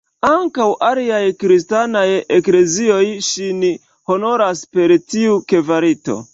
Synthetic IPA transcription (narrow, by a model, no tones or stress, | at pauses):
aŋkawʔaliajkɾistanaje̞kle̞zio̞jʃini | ho̞no̞ɾaspe̞ɾtiuke̞vaɾito̞̰